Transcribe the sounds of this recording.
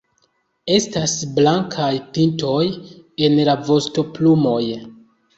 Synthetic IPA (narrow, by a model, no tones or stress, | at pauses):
e̞stasblaŋkʰajpinto̞je̞nlavo̞sto̞plumo̞j